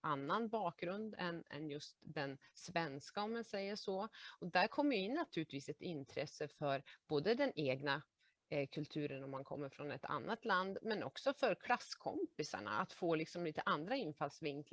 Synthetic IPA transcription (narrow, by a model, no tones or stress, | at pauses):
anːanbɑːk̚ɡɾɵnd̪ɛnɛ̰njɵst̪d̪ɛnsvɛnskaɔmːansɛjːəʂɔɔd̪æɾkʰɔmːəjɪnːat̪ʰʉːlɪt̪viːsɛt̪ɪnt̪ʰɾɛsːəfœɾb̥oːd̪əd̪ɛneːɡna | kʰɵlt̪ʰʉ̟ːɾənɔmːankʰɔ̰mːəɾfɾɔnɛt̪ʰa̰nːat̪land̪mɛnɔ̰ksɔfœɾkʰlasːkʰɔ̰mpɪsa̰ɳa̰at̪foːlɪksɔmliːt̪əʔand̪ɾaɪnːfalsvɪŋkl